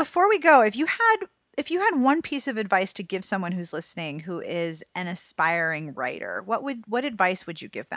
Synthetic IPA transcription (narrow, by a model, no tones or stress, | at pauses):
b̥əfɔɹwiɡoʊɨfjɨəd̚ | ɨfjɨɨd̚wʌ̃npʰisʌvɨdvaɪstʰɨɡɪv̥sʌ̃mwʌ̃nhʉzlɪsnɪ̃ŋɦuʔɪzɨ̃nɨ̃spaɪɹɪ̃ŋɹa̰ɪɾə̰˞wʌʔ̚wɨd̚wʌɾɨdvaɪswɨd͡ʒɨ̰ɡɪ̰vðɨ̰̃m